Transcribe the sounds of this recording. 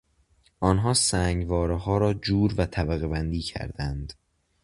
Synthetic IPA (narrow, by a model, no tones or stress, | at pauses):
ʔɒːnɦɒːsæːŋɡvɒːɾeɦɒːɾɒːd͡ʒuːɾvæt̪ʰæbæɣe̞bænd̪iːcʰæ̰ɾd̪ænd̪̥